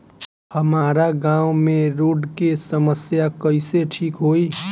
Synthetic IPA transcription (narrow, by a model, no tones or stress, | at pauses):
həmaːɾaɡãːumẽɾoːɖkesəməsjakəɪseʈʰiːkɦoi